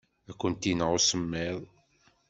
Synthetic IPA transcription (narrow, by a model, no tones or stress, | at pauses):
ækʷːənt̪inʁosəmːiðˤ